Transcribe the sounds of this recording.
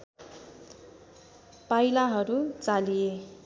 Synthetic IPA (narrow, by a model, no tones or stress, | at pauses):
pajlaɦʌɾut͡salije